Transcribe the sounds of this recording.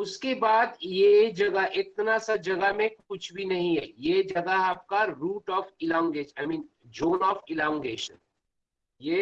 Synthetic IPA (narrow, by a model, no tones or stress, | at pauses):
ʊskebaːd̪jed͡ʒɐɡaʔɪk̚t̪nasad͡ʒɐɡamẽkʊt͡ʃʰbʱinɐɦĩɦɛ̰ːjed͡ʒɐɡaap̚kaɾuːʈɔːfɪlãːŋɡeːʃaɪmĩːnd͡ʒoːnɔːfɪlãːŋɡeːʃə̰n | jeː